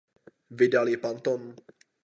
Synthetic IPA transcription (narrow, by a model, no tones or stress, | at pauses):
vɪdalɪpant̪on